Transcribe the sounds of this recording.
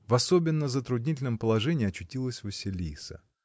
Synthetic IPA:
vɐsobʲɪnːəzət̪ɾʊdʲnʲit̬ʲɪlʲnəmpəlˠɐʐɛnʲɪːɐt͡ɕːʊtʲilˠəsʲvɨsʲɪlʲisə̰

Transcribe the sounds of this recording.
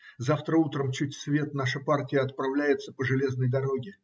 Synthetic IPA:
zaft̪ɾəut̪ɾəmt͡ɕutʲsvʲe̞t̪naʂəpartʲɪjəɐt̪̚pɾɐvlʲæjɪt̪səpəʐɨlʲe̞znəjd̪ɐɾo̞ɡʲɪ

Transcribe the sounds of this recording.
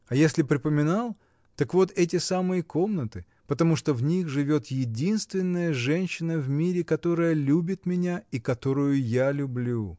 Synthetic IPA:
ɐjesʲlʲɪpɾʲɪpəmʲɪnalˠ | t̪ɐkvo̞t̪ɛt̬ʲɪsamɨjəko̞mnət̪ɨ | pət̪ɐmuʂt̪ovnʲixʐɨvʲo̞t̪jɪdʲinst̪vʲɪnːəjəʐɛnʲɕːɪnəvmʲiɾʲɪkɐt̪o̞ɾəjəlʲubʲɪt̪mʲɪnʲaikɐt̪o̞ɾʊjʊjalʲʊblʲu

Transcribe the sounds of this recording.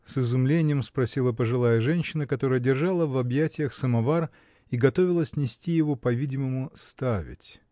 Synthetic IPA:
sɨzʊmlʲenʲɪjəmspɾɐsʲilˠəpəʐɨlˠajəʐɛnʲɕːɪnəkɐt̪o̞ɾəjədʲɪrʐalˠəvɐbjætʲɪjəxsəmɐvar | iɡɐt̪o̞vʲɪlˠəsʲnʲɪsʲtʲijɪvo̞pɐvʲidʲɪməmʊst̪avʲɪ̰tʲ

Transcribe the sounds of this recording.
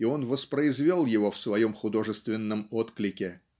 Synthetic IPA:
ɪo̞nvəspɾəɪzvʲolˠjɪvo̞fsvɐjo̞mxʊd̪o̞ʐɨst̪vʲɪnːəmo̞t̪klʲɪkʲɪ

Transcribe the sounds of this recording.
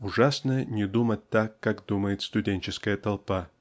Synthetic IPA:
ʊʐasnənʲɪd̪umət̚ʲt̪akːakd̪uməjɪt̪st̪ʊdʲenʲt͡ɕɪskəjət̪ɐlˠpa

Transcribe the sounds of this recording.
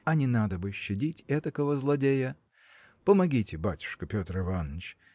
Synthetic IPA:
ɐnʲɪnad̪əbɨɕːɪdʲitʲɛt̪əkəvəzlˠɐdʲejə | pəmɐɡʲitʲɪbatʲʊ̥ʂkəpʲot̪rɪvanːət͡ɕ

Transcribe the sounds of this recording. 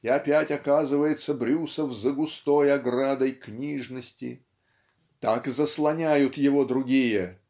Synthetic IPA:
ɪɐpʲætʲɐkazɨvəjɪt̪səbɾʲusəvzəɡʊst̪ojɐɡrad̪əjknʲiʐnəsʲtʲɪ̰ | t̪akzəslˠɐnʲæjʊt̪jɪvo̞d̪ɾʊɡʲijə

